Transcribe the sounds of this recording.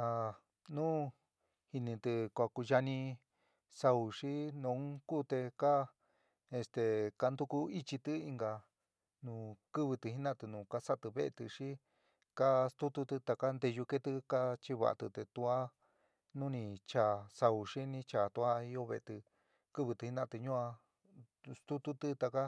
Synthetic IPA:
a˧ | nũ˦ | hi˧nĩ˧t̪ɨ˧kʷa˧ku˧ʒa˧nĩ˧ | sa˧u˨ʂi˦nõ˧˦ku˦t̪e˧ka˦ | e˧st̪e˧ka˧nd̪u˦ku˧i˦t͡ʃi˧t̪ɨ˦i˧ŋɡa˧ | nũː˨˧˨kɨ˦βɨ˧t̪ɨ˧hi˦nã˦t̪ɨ˧nũː˨˧ka˦sa˦t̪ɨ˧βe˦ḛ˧t̪ɨ˧ʂi˦ | ka˦st̪u˦t̪u˧t̪u˧t̪a˧ka˦nd̪e˧ʒu˧ke˦t̪ɨ˦˧ka˦t͡ʃi˦βa̰˧ʔa̰˧t̪ɨ˧t̪e˧t̪u˧a˦ | nũ˦nĩ˧t͡ʃa˨˧sa˧u˨ʂi˦nĩ˧t͡ʃa˨t̪u˧a˦i˦o˦βḛ˧e˧t̪ɨ˧ | kɨ˦βɨ˧t̪ɨ˧hi˦nã˦˧˨t̪ɨ˧ɲũ˦a˧ | st̪u˦t̪u˦t̪ɨ˧t̪a˧ka˦

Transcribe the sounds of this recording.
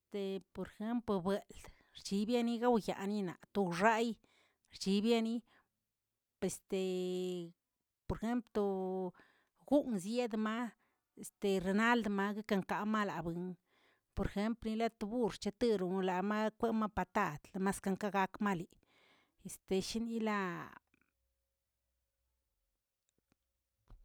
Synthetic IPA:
est̪e˨po˨ɾexe˦mplbe˨ld̪̥ | ɾt͡ʃi˧bja˦ni˦ɡa˦wja̰˨ni˦na̰˨t̪u˧ʐa˦j | ɾt͡ʃi˧bja˦ni˦ | pe˨st̪e˨ | po˨ɾxe˦mplo˧ | ɡu˦ʔnzje˦d̪ma˦ | e˨st̪e˨ɾe˨na˦ld̪ma˧ɡe˦ka˧ŋka˨ma˦la˨bɨ˨ŋ | po˨ɾxe˧˦mplni˧la˦t̪u˧bu˦ɾt͡ʃa˧t̪ɨ˧ɾu˨˧la˨ma˦kʷe˦ma˦pa˧t̪a˦˨d̪la˧ma˦ska˧ŋka˦ɡa˧kma˦li˨ | e˨st̪e˧ʃi˦ni˦la˦

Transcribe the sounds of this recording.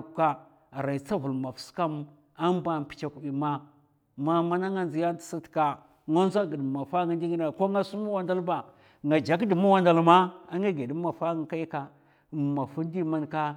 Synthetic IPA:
ka˦˨ | ɾa˨i˨t͡sa˦vu˨lma˨fska˦m | a˦m˦ba˨n˨pi̥˨t͡ʃa˦ku˨bi˨ma˦ | ma˦ma˦na˦ŋa˦nzi˨ja˦ti̥˨si˦tka˦ | ŋa˦n˦za˦ɡi˨dma˨fa˦ŋa˦ndi˦ŋi˦n˦a˨ko˦ŋa˦su˦mu˦wa˦nda˦lba˨ | ŋɡa˨d͡ʒa˨kdi˨mu˦wa˦nda˨lma˦a˦ŋa˦ɡe˨di˦ma˨fa˦ɡa˦ka˦ji˦ka˨ | ma˨fu˦n˦di˦ma˦nka˦

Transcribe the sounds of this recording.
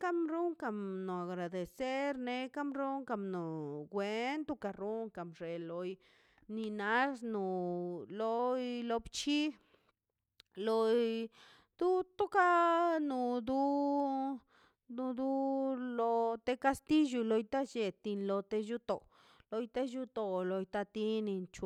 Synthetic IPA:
ka˦mɾu˦ŋka˧˨mno˨a˨ɡɾa˨d̪e˨se˦ɾne˧ka˦mɾu˦ŋka˧mno˨ɡwe˧nt̪u˧ka˧ɾu˦ŋka˨mʐe˨lo˧j | ni˧na˧˦snu˨lo˧jlo˧bt͡ʃi˦ | lo˧jj | d̪u˦t̪u˦ka˦nu˨d̪u˧˦ | nu˧d̪u˧lo˧t̪e˧ka˧st̪i˦ju˧lo˧jt̪a˦t͡ʃe˨t̪i˧nlo˧t̪e˧ju˧t̪o˨ | lo˧jt̪e˦ju˧t̪o˧lo˧jt̪a˧t̪i˦ni˧nt͡ʃ

